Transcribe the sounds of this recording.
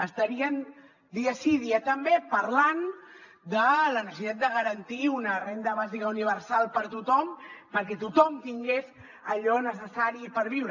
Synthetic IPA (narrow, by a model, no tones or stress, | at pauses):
əst̪əɾiən | d̪iəsiðiət̪əmbepəɾlan | d̪ələnəsəsit̪at̪̚d̪əɣəɾənt̪iunərend̪əβazikəuniβəɾsalˠpəɾt̪ut̪ɔmpəɾkɛt̪ut̪ɔmt̪iŋɡez | əʎɔnəs̬əsaɾipəɾβiwɾə